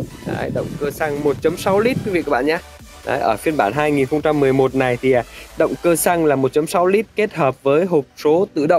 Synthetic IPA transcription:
ɗa̰ː˨˦jɗə̰˧˨wŋ͡mkəː˧sa˧ŋmo˨˩t̚t͡ɕə˨˦msa˨˦wli˦˥t̚kwi˨˦vḭ˧˨kaː˨˦˥ɓa̰ː˧˨ɲaː˧ | ɗa̰ː˨˦jʔəː˧˩fi˧ənɓaː˧˩nɦaː˧jŋi˨˩nxə˧wŋ͡mt͡ɕa˧mːɨ˨˩əjmo˨˩t̚na˨˩jt̪ʰi˨˩ʔa˨˩ɗə̰˧˨wŋ͡mkəː˧sa˧ŋlaː˨˩mo˨˩t̚t͡ɕə˨˦msa˨˦wli˦˥t̚ke˦˥t̚həː˨˩p̚vəː˨˦jɦo˨˩t̚so˨˦t̪ɨ̰˧˨ɗə̰˧˨wŋ͡m

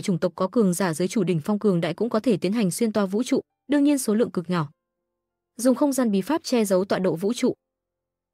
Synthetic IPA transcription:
jt͡ɕʊ˧˩ŋ͡mt̪ə˨˩wk͡p̚kɔ˨˦kɨ˨˩əŋzaː˧˩zəː˨˦jt͡ɕu˧˩ɗï˧˩ŋ̟fwŋ͡mkɨ˨˩əŋɗa̰ː˧˨jkʊ̰˧˥ŋ͡mkɔ˨˦t̪ʰe˧˩t̪i˨˦ənɦa˨˩jŋ̟swi˧nt̪waː˨˩vṵ˧˥t͡ɕṵ˧˨ | ɗɨ˧əŋɲi˧ənso˨˦lɨ̰˧əŋkɨ˨˩k̚ɲɔ˧˩ | zʊ˨˩ŋ͡mxə˧wŋ͡mzaː˧nɓi˨˩faː˦˥p̚t͡ɕɛ˧zə˨˦wt̪wa̰ː˧˨ɗo̰˧˨vṵ˧˥t͡ɕṵ˧˨

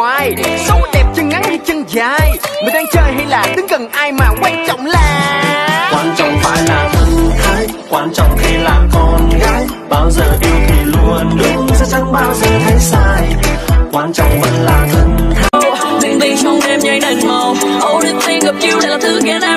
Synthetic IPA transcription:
waː˧jsə˨˧˦wɗɛ˨˩p̚t͡ɕə˧ŋŋa˨˦˥jha˧jt͡ɕə˧ŋzaː˧˩jmï˨˩ŋ̟ɗaː˧ŋt͡ɕəː˧˩jɦa˧jlaː˨˩t̪ɨ˨˦ŋkə˨˩ŋʔaː˧jmaː˨˩kwa˧ŋt͡ɕɔ̰˧˨wŋ͡mlaː˨˩kwaː˧nt͡ɕɔ̰˨˧˨wŋ͡mfaː˧jlaː˨˩və˧ŋt̪ʰaː˧˦j | kwaː˧nt͡ɕɔ̰˧˨wŋ͡mxi˧laː˨˩mkɔ˧nɣaː˨˦j | ɓaː˧wzəː˨˩ɗi˧˩əwt̪ʰi˨˩lu˨˩ənɗɨ˦˥əŋsa˧˥t͡ɕa˨˧˦ŋɓaː˧wzəː˨˩t̪ʰa˨˦jsaː˧jkwaː˧nt͡ɕɔ̰˨wŋ͡mvə̰˧˥nlaː˨˩zə˧nt̪ʰa˧ | ɲɨ˧˩ŋt̪i˧sɔ˧wŋ͡mɗe˧mɲa˧jɗa˨˩ŋmə˨˩wʔə˧˩wɗi˨˧˩ŋt̪i˧ɣə˨˩p̚ki˧˦əwla˨˧˩la˨˩t̪ʰɨ˧kɛ˨˦naː˧

